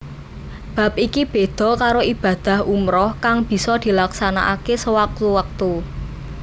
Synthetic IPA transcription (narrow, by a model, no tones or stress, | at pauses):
b̥ä̤p̚ʔikib̥e̤d̪̥ɔ̤kaɾoib̥ä̤d̪̥ä̤hʔumɾɔhkaŋb̥i̤sɔd̪̥i̤laksana̰ʔakesəwak̚t̪uwak̚t̪u